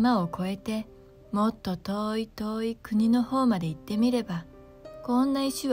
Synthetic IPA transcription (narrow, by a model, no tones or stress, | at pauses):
maoko̞e̞t̪e̞ | mo̞t̪ːo̞t̪oːit̪oːikɯ̟ɲ̟ino̞ho̞ːmad̪e̞it̪ːe̞mʲiɾe̞ba | kõ̞nːaiɕiβ